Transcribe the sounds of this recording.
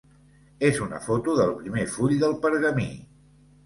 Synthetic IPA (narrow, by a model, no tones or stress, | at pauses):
ezunə̰fot̪uðəlˠpɾimefuʎd̪əlˠpəɾɣəmi